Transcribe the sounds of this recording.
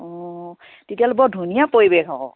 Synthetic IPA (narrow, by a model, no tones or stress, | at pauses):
ɔ | tetialobɔdʱunijapoɹibekɔɔ̰